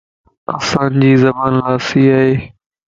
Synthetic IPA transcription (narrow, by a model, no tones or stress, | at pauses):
ɐsãːnd͡ʑiːzɐbaːnlaːsiːaːɦeː